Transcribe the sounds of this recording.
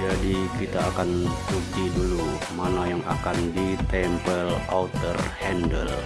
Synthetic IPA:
d͡ʒadikit̪aːkant̪ukidulu | manajaŋa̰kandit̪ɛmpəla̰ut̪ərhɛndəl

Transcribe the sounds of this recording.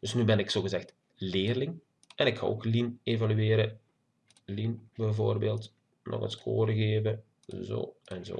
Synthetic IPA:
d̥ɵsnybɛnɪksoːɣəzɛxt | lɪːrlɪŋ | ʔɛnɪkxa̰oːklinevalyeːɾə | linbɛjvoːrbeːlˠt | nɔ̰ɣə̰nskʰo̰ːɾəɣeːvə | zo̰ːʔɛnzo̰ː

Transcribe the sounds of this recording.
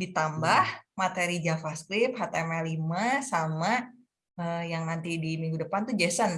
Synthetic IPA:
dit̪ambahmat̪eɾid͡ʒafaskɾip̚hat̪ɛmɛlimasama | əjaŋnant̪idimiŋɡudəpant̪ud͡ʒɛsən

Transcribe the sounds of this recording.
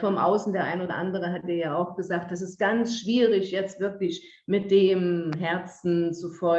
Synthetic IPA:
fɔmʔa̰ʊsn̩deːɐʔa̰ɪnoːdɐ̰ʔandəʁ̞əɦat̚iːɐjaːaʊxɡ̥əzaːk̚td̥as̬ɪst̚ɡ̥ant͡sʃv̥iːʁɪçjɛt͡stv̥ɪɐklɪç | mɪt̚d̥eːmɦɛɐt͡sn̩t͡sufɔ

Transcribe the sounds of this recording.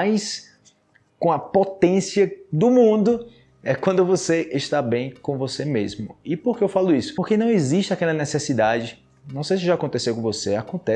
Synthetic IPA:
ajs | kõɐpot̪ẽsiɐd̪ʊmũd̪ʊ | ɛkwɐ̃nd̪ʊvoseʔeʃt̪abẽj̃kõvosemezmʊɪpoɾkeewfalʊisʊ̥oɾkenɐ̃w̃eziʃt͡ʃɪakɛlɐnɛsesid̪ad͡ʒɪ | nɐ̃w̃sejs̬ɪʒakõt̪esewkõvoseakõnt̪ɛ

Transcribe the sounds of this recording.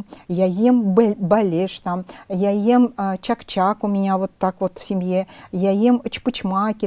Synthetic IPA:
jajembalʲeʂt̪ɑmjajemt͡ɕakt͡ɕakumʲɪnʲavot̪ːakvot̪fsʲɪmʲjejajemət͡ɕpɨt͡ɕmɑkʲe

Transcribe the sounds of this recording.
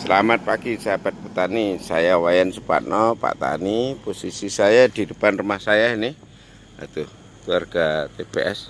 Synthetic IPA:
səlamat̪̚paɡisaabat̪̚pət̪anisa̰jawajansəpa̰t̪̚nʔɔpa̰ʔt̪a̰niposisisajad̪̥idəpanrumahsajanɪh | a̰t̪ʊh | kluwarɡ̥at̪eb̥ḛʔɛs

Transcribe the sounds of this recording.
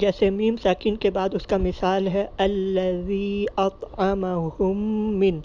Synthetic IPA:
d͡ʒɛːsemiːmsaːkiːnkebaːd̪ʊskamɪsaːlɦɛɐlːɐðiːɑt̪ɑmɐhʊmːɪn

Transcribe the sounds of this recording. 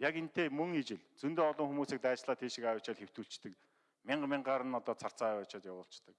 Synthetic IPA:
jaken̥t̪eːmɵŋit͡ɕɪ̆ɮt͡sunt̪eːɔɮɞ̆ŋxumuːsiːk̚t̪æːt͡ɕɮaːt̪ʰeːʃikajʊːt͡ɕaːt̪xew̥t̪uːɬt͡ɕt̪ɘ̆k | mɪɴɢmɪɴɢaːɾə̆nɔt̪ɔːt͡sʰar̥t͡saːajʊːt͡ɕaːt̪jawʊːɬt͡ɕt̪ə̆k̚

